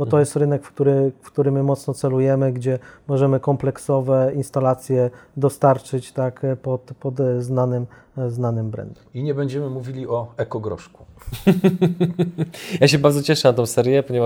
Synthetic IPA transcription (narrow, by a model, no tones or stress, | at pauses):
bɔt̪ɔjɛst̪ɾɘnɛkfkt̪uɾɘfkt̪uɾɘmːɘmɔt̪snɔt̪sɛlujɛmɘɡd͡ʑɛmɔʐɛmɘkɔmplɛksɔvɛinst̪alat̪sʲjɛd̪ɔst̪aɾt͡ʂɘt͡ɕt̪akpɔt̪pɔt̪znanɘm | znanɘmbɾɛ̰nd̪uiɲɛbɛɲd͡ʑɛmɘmuvʲilʲiɔɛkɔɡɾɔ̰ʂku̥ | jaɕ̬ɛbaɾd̪zɔt͡ɕɛʂɛnat̪ɔ̃w̃sɛɾjɛpɔɲeɛva